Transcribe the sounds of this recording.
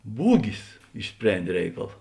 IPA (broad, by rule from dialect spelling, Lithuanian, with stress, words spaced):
ˈbuːɡʲɪs ɪʃʲˈsʲpʲrʲɛnʲdʲeː ˈrʲɛɪkɐlˠ